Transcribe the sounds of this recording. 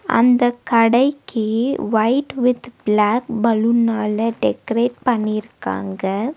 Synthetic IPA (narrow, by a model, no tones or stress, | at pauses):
ʔɐ̰nd̪ɐkɐɽɐɪkːɯʋɐɪʈʋɪd̪blaːkbɐlɯnːaːlɐɖɛkɐɾeːʈ̚pɐɳːɪɪɾɯkːa̰ːŋɡɐ